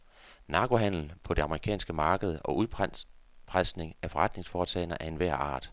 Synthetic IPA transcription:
nɑ̈ːɡ̥o̝ɦæn̰l̩pʰɒ̽d̥e̝ɑ̈məʁikʰɛ̰ːnsɡ̥əmɑ̈ːɡ̥əð̞̩ˠɒ̽ʔuð̞ˠ | pʰʁasne̝ŋæɐfɒ̽ʁad̥ne̝ŋsfɒːt͡sʰɛ̰ɪnɐʔæɐe̝nʋæɐ̰ɑ̰̈ːd̥

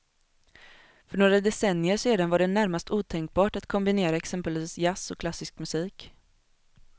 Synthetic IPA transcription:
fœɳoːɡɾad̪ɛsɛnjəʂeːd̪anvaɖɛnæɾmast̪uːt̪ʰɛŋk̚bɑːʈat̪kʰɔmbɪneːɾaɛksɛmpəlviːsjasɔkʰlasːɪskmɵsiːk

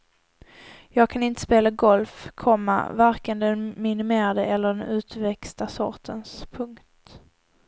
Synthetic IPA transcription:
jɑːɡ̚kʰanɪnt̪ə̥speːlaɡɔlfkʰɔmːa̰vaɾkənd̪ɛnmɪnɪmeːɾad̪əʔɛlːəɖɛnʉ̟ːt̪vɛkst̪asɔ̰ɾʈʰənspʰɵŋkt̪

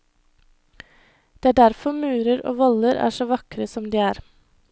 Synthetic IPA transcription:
d̪̥eːæːɖæɾfɔmʉːɾəɾo̰ːʋɔləɾæ̰ːʃoːʋɑkɾəsɔmd̪iːæːɾ

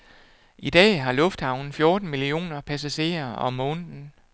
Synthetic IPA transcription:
ʔid̥ɛ̰ːɦɑ̈lɔ̽fd̥hɑ̈ʊn̩fjo̝ːd̥n̩milio̝̰ːnɐpʰæs̬æɕe̝̰ːɐɒ̽mːɔ̽ːnn̩

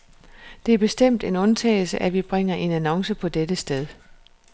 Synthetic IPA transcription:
d̥e̝æɐb̥e̝sd̥em̰d̥e̝nɔ̽nt͡sʰɛ̰ːɪl̩səʔæʋib̥ʁeŋ̰ɐʔe̝nænɒ̽ŋsəpʰɒ̽d̥ed̥əsd̥eð̞ˠ

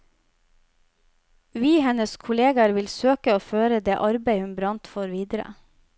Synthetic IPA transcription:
ʋiːhɛnəskʰʊleːɡɑɾʋɪlsøːkəoːføːɾəd̪eːʔɑɾbeɪhʉnbɾɑnt̪foːɾʋiːd̪əɾə̰

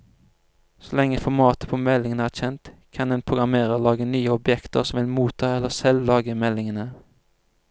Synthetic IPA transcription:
sɔlɛŋːəfɔmɑːt̪ə̥pʰoːmɛlɪŋənəæːc͡çɛnt̪kʰɑnd̪ɛnpʰʁʊɡɑmeːʁəlɑːɡənyːəɔbjɛkt̪ə̰ʁsɔmʋɪlmuːt̪ʰɑːɛlːəsɛllɑːɡəmɛlɪŋənə

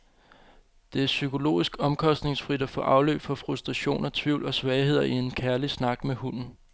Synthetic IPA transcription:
d̥e̝æɐsykʰo̝lo̝̰ːisɡ̥ɒ̽mkʰɒ̽sd̥ne̝ŋsfʁid̥æfɔ̽ːʔɑ̈ʊlø̰ːb̥fɒ̽fʁusd̥ʁɑɕo̝̰ːnʔɒt͡sʰʋiʊ̰lɒ̽sʋɛːɪhe̝ð̞̰ˠɐie̝nkʰæɐlisnɑ̈ɡ̥mehun̰n̩

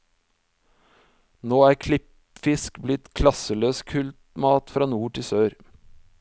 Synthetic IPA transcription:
noːæːɾkʰlɪp | fɪskblɪt̪kʰlɑsəløːskʰʉlt̪mɑːt̪fɾɑːnuːʈʰɪsøːɾ

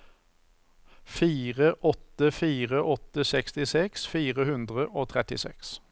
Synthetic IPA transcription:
fiːʁəʔɔt̪əfiːʁəʔɔt̪əsɛkst̪ɪsɛksfiːʁəhʉnd̪ʁəʔoːt̪ʰʁɛt̪ɪ̰sɛ̰ks

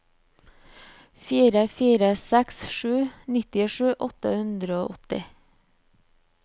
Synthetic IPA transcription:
fiːɾəfiːɾəsɛksʃʉːnɪt̪ɪʃʉːʔɔt̪ə̰hʉnd̪ɾəoːʔɔt̪ɪ

